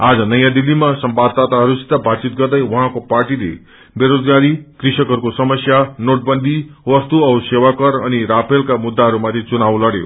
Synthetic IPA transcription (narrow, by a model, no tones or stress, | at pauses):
ad͡zʌnʌjãd̪ilːimasʌmbad̪̚t̪ːat̪aɦʌɾusi̥t̪abat͡sit̪̚ɡʌɾd̪ʌjwɔɦãkopaɾʈilḛ | beɾod͡zɡaɾikɾisʌkʌɾukosʌmʌsjanoʈ̚bʌnd̪ʱiʋʌst̪uʌsewakʌɾʌniɾapʰelkamud̪ːaɦʌɾumat̪ʰit͡sunawlʌɽjo̰